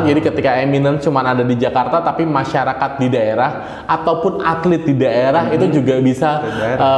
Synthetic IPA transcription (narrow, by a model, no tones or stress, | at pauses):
d͡ʒadikət̪ikaeminənt͡ʃumanadadid͡ʒakart̪at̪apimaʃaɾakat̪̚didaeɾah | at̪awpʊnat̪lɪt̪̚didaeɾahit̪ud͡ʒuɡabisaə